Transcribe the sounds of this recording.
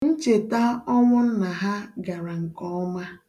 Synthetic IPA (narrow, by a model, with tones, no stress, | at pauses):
n̩˦t͡ʃe˨ta˦ɔ˦ŋʷʊ˦n̩˦na˨ɦa˦ɡa˨ɾa˨ŋ̩˨kɔ˦ma˦